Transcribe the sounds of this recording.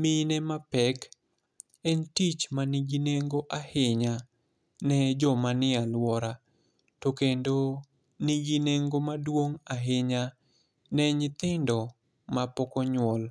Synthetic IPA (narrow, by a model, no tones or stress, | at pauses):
mɪnɛmapɛk | ɛntit͡ʃmaniɡineŋɡoʔahɪɲa | nɛd͡ʒɔmanɪalwɔɾa | tokendo | niɡineŋɡomadwoŋaɦɪɲa | nɛɲɪt̪ɪndɔ | mapɔkɔɲwɔl